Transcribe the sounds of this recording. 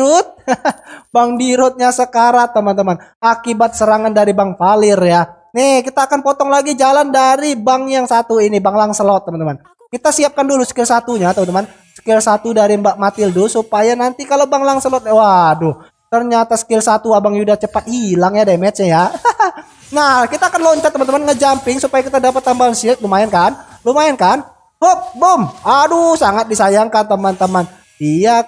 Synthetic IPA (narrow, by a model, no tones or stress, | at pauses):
ʊt̪̚ | baŋdiɾʊt̪̚ɲasəkaɾat̪əmənt̪əmanakibat̪̚səɾaŋandaɾibaŋfalɪrja | nikit̪aːkanpɔt̪ɔŋlaɡid͡ʒalandaɾibaŋjaŋsat̪uinibaŋlaŋsəlɔt̪ːəmənt̪əman | kit̪asiap̚kandulusə̥kɪlsat̪uɲat̪əmənt̪əman | sə̥kɪlsat̪udaɾimamat̪ɪldʊsupajanant̪ikalobaŋlaŋsəlɔt̪̚wadʊ | t̪ərɲat̪asə̥kɪlsat̪uabaŋjudast͡ʃəpat̪̚hilaŋjademɛt͡ʃɲaja | nahkit̪aːkanlɔɲt͡ʃat̪ːəmant̪əmanŋəd͡ʒampɪŋsupajakit̪adapat̪ːambalnsɪlt̪̚lumaɛnkanlumaɛnkan | hop̚bomadusaŋat̪̚disajaŋkant̪əmant̪əman | dia